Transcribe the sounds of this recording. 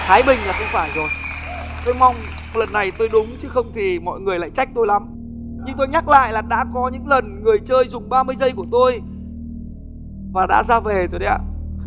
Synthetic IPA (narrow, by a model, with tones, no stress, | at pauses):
t̪ʰaː˨˦jɓï˨˩ŋ̟laː˨˩xə˧wŋ͡mfaː˧˩jzo˨˩j | t̪o˧jma˧wŋ͡m | lə˨˩nːa˨˩jt̪o˧jɗʊ˨˦ŋ͡mt͡ɕɨ˨˦xə˧wŋ͡mt̪ʰi˨˩mɔ̰˧˨jŋɨ˨˩əjla̰ː˧˨jt͡ɕa˦˥jk̚t̪o˧jla˨˦m | ɲɨ˧ŋt̪o˧jɲa˦˥k̚la̰ː˧˨jlaː˨˩ɗa̰ː˧˥kɔ˨˦ɲɨ̰˧˥ŋlə˨˩nŋɨ˨˩əjt͡ɕəː˧jzʊ˨˩ŋ͡mɓaː˧mɨ˧əjzə˧jku˧˩ət̪o˧j | vaː˨˩ɗa̰ː˧˥zaː˧ve˨˩t̪o˧jɗə˧jʔa̰ː˧˩